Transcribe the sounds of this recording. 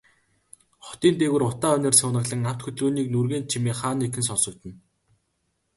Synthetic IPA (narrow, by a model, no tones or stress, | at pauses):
χɔ̥t̪iːnt̪eːɣɘ̆rʊt̪aːœnʲĕrsʊwnə̆ɣɮə̆ŋaw̥t̪xɵt̪ɮruːniːknurɣeːn̚t͡ɕʰimeːχaːnːekɘ̆ns̬ɔnsɞ̆k̚t̪ɘ̆n